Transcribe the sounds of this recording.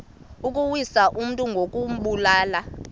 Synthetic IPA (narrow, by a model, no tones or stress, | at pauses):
ukʼuwisaʔum̩tʼuŋɡʱokʼum̩ɓulaːla